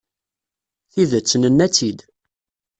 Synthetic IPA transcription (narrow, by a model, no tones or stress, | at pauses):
θiðət͡sːənənːæt͡sːid̪